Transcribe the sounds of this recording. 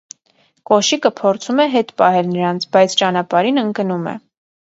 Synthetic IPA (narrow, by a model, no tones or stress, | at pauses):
kɔʃikəpʰɔɾt͡sʰumɛɦɛt̪pɑɦɛlnəɾɑnt͡sʰbɑjt͡sʰt͡ʃɑnɑpɑɾinəŋkənumɛ̰